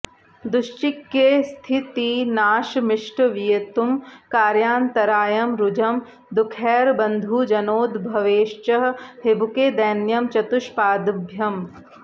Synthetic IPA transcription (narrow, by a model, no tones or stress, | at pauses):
d̪ʊʃt͡ʃikːest̪ʰit̪inaːʃmɪʂʈʋijɐt̪umkaːɾjaːnt̪ɐɾaːjɐmɾud͡ʒɐm | d̪ukʰɛːɾbɐnd̪ʱud͡ʒɐnoːd̪bʱɐʋeːʃt͡ʃɐɦɦebukeːd̪ɐːnjɐmt͡ʃɐt̪uʃpaːd̪ubʱjɐm